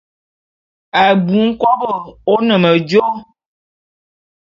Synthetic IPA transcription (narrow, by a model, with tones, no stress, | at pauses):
ɛ˨bu˨˦ŋ̩˦kɔ˦bə˨wo˦nə̃˨mə˨d͡ʒo˦